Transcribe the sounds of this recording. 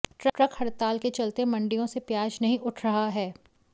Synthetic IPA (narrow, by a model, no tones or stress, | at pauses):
ʈɾɐʈɾɐkhɐɾt̪aːlket͡ʃɐlt̪emɐ̃ɳɖijõsepjaːd͡ʒnɐɦĩʔʊʈʰɾɐɦaɦɛː